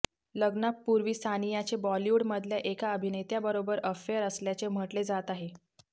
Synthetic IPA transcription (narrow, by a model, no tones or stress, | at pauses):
ləɡnapːuɾʋiːsʰanijat͡sebɔljuɽməd̪ʱljaʔekaəbʱinet̪jabəɾobəɾəfeəɾəsljat͡sem̤əʈled͡zat̪aɦe